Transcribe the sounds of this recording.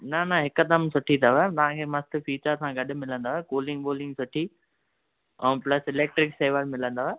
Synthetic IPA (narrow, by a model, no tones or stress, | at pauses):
nɐnɐɦɪkd̪ɐmsʊʈʰit̪ʰaʋat̪ɐʋ̤ãkʰeːmɐst̪fiːt͡ʃəɾsãɡɐɗʊ̆mɪlə̃nd̪aːekoːlɪ̃ŋɡboːlɪ̃ŋɡsʊʈʰi | ɛ̃ːplɐsɪleːk̚ʈɾɪkseːʋəlmɪlə̃nd̪aːe